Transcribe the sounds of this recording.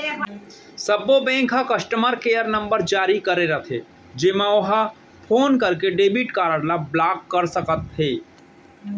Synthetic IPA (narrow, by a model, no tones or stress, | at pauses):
səbobɛ̃ːŋkɦakɐsʈəməɾkejəɾnə̃mbəɾd͡ʒaːɾikəɾeɾət̪ʰe | d͡ʒɪmãoɦə | pʰoːnkəɾkeɖeːbiʈkaːɾəɽlablaːkːəɾsəkət̪ɦeː